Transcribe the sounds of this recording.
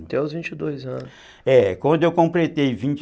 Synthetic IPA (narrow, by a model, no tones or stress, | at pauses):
ẽɔzvĩt͡ʃɪd̪ojzɐ̃nʊ | ɛkwɐ̃nd̪ʊewkõmplet̪ejvĩt͡ʃ